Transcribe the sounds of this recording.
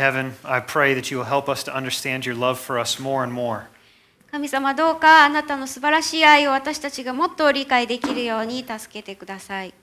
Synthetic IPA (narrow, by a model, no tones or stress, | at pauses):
hɛvɨ̃naɪpʰɹ̥eɪðɨt͡ʃɨwɪlˠɦɛlˠpʌstʰəʔʌ̃ndə˞stæ̃nd͡ʒjə˞lʌv̥fə˞ʌsmɔɹə̃nmɔɹ | kamʲisamad̪o̞ːkaːnat̪ano̞sɨbaɾaɕiːaio̞βat̪aɕi̥t̪at͡ɕiɡamo̞t̪ːo̞ɾʲikaid̪e̞kʲiɾɯ̟jo̞ːɲ̟it̪asɨ̥ke̞t̪e̞kɯ̟d̪asai